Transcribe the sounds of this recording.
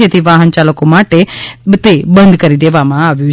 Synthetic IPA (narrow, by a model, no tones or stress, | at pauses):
et̪ʰiʋaːɦənt͡ʃaləkomaʈet̪ebə̃nd̪kəɾid̪eʋamãaːʋjũ